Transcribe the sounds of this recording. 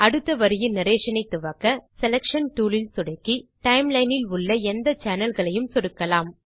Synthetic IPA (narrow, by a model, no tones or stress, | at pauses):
ɐɽɯt̪ːɐʋɐɾɪjɯnɪɾeːʂɐnɐɪt̪ːɯʋɐkːɐsɛlɛkʂɐnʈuːlɪlsʊɽɐkːiʈɐɪmlɐɪnɪlʊɭːɐɛnd̪ɐt͡ʃaːnɐlɣɐɭɐjɯmsɔɽɯkːɐlaːm